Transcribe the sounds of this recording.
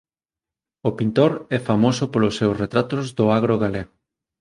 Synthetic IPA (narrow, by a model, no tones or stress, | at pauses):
opint̪oɾɛfamosopolʊsːewsret̪ɾat̪ozðʊaɣ̞ɾoɣaleɣo